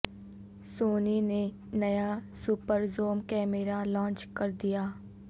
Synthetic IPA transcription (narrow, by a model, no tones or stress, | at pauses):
soːnine | nəjasuːpəɾzoːmkɛːmeɾalɔ̃ːnt͡ʃkəɾd̪ijaː